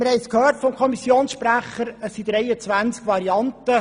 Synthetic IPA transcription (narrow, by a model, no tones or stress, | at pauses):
mɪɾhɛɪskhøːtfɔmkʰɔmisjoːnsʃpɾæχəɾəsid̥̪ɾɛɪət͡sʋænt͡skʋɑɾiɑntə